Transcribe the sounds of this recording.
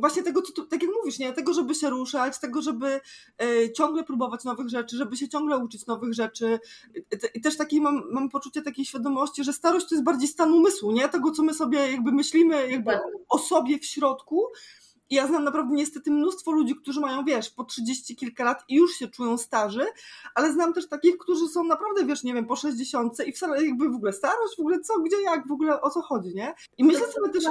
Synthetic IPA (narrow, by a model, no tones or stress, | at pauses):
vwaɕɲɛt̪ɛɡɔt̪sɔ̥t̪ut̪akʲjakmuvʲiʂɲɛt̪ɛɡɔʐɛbɘɕɛɾuʂat͡ɕt̪ɛɡɔʐɛbɘ | t͡ɕɔ̃ŋɡlɛpɾubɔvat͡ɕnɔvɘɣʐɛt͡ʂɘʐɛbɘɕ̬ɛt͡ɕɔ̃ŋɡlɛut͡ʂɘt͡ɕnɔvɘɣʐɛt͡ʂɘ | ʔit̪ɛʂt̪akʲemamːampɔt͡ʂut͡ɕɛt̪akʲejɕfʲjad̪ɔmɔɕt͡ɕiʐɛst̪aɾɔɕt͡ɕt̪ɔjɛs̚baɾd͡ʑejst̪anumɘswuɲɛt̪ɛɡɔt̪sɔmɘsɔbʲjɛjaɡ̚bɘmɘɕlʲimɘjaɡ̚bɘɔsɔbʲjɛfɕɾɔt̪ku | ijaznamnapɾavd̪ɛɲɛst̪ɛt̪ɘmnust̪fɔlud͡ʑik̚t̪uʐɘmajɔ̃w̃vʲjɛʂpɔtʂɘd͡ʑeɕt͡ɕikʲilkalat̪ijuʂɕɛt͡ʂujɔ̃w̃st̪aʐɛʔalɛznamt̪ɛʂt̪akʲixkt̪uʐɘsɔ̃w̃napɾavd̪ɛvʲjɛʂɲɛvʲjɛmpɔʂɛʑd͡ʑeɕɔnt̪sɛifsalɛjaɡ̚bɘvɔɡulɛst̪aɾɔɕd͡ʑvɔɡulɛt̪sɔɡd͡ʑɛjaɡvɔɡulɛʔɔt̪sɔxɔd͡ʑiɲɛ | imɘɕlɛsɔbʲjɛt̪ɛʂ